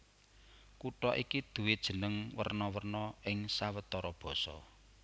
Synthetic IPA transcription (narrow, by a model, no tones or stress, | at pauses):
kuʈɔʔikid̪̥ṳwɪd̥ʒ̥ə̤nəŋwə̰rnɔwərnɔʔɪŋsawət̪ɔɾɔb̥ɔ̤sɔ̰